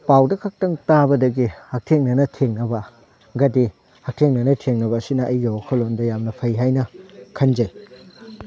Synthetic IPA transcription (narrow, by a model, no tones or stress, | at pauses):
pawdɐkʰɐk̚tɐŋtabɐdɐɡihɐk̚tʰeŋnɐnɐtʰeŋnɐbɐ | ɡɐdi | hɐk̚tʰeŋnɐnɐtʰeŋnɐbɐːsinɐʔɐjɡiokʰɐlondɐjamnɐpʰɐjɦajnɐkʰɐnd͡ʒɐj